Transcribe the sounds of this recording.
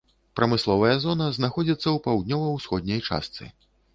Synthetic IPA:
pɾɐmɨslˠɔvɐjɐzɔnɐznaxɔd͡zʲit̪sːɐwpawd̪̚ʲnʲɔvɐwsxɔd̪ʲnʲɐjt͡ʂa̰st̪sɨ̰

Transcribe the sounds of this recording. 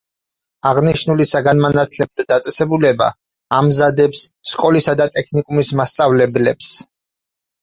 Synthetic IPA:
aʁniʃnulisaɡanmanat̪ʰlɛb̚lad̪at̪sʼɛsɛbulɛba̰ː | mzad̪ɛpsːkʼɔlisad̪at̪ʼɛkʰnikʼumismast̪sʼavlɛblɛps

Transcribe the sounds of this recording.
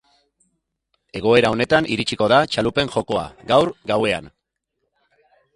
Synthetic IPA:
e̞ɣ̞o̞e̞ɾao̞ne̞t̪anʔiɾit͡ʃiko̞ðat͡ʃalupe̞ŋxo̞ko̞a̰ɡawɾɡawe̞a̰n

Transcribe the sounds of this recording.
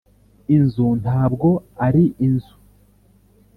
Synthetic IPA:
inzun̥haːbɡo̞aɾiʔinzu

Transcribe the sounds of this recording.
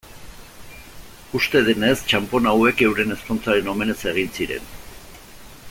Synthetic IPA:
ust̪e̞ðene̞st͡ʃampo̞nawe̞ke̞wɾe̞ne̞skont͡saɾe̞no̞me̞ne̞se̞ɣ̞insiɾe̞̰n

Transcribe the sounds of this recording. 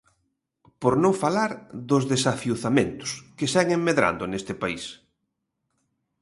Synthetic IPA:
poɾnõŋfalaɾðʊzðesafjuθamẽnt̪ʊ̥skɪsajŋeŋmːeðɾa̰nd̪ʊnest̪ɪpais

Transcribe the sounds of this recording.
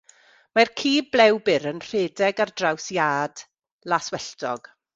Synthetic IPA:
markʰiːblɛwbɪɾənr̥eːdɛɡardrawsjaːd | laswɛɬdɔɡ̥

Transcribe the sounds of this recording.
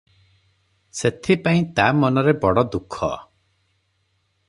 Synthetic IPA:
set̪ʰipaĩt̪amɔnɔɾebɔɽɔd̪ukʰɔ̰

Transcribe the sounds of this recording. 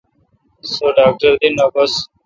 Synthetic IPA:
soːɖaːk̚ʈəɾd̪inaːbəs

